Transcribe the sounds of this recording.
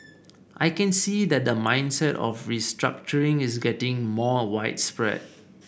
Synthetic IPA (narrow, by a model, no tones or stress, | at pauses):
ʔajkɛ̃nsid̪ɛt̚dəmãɪ̃ndsɛtɔ̰fɹistɹa̰k̚t͡ʃəɹɪ̃ŋis̬ɡɛtɪ̃ŋmɔwaɪt̚spɹɛ̰d̚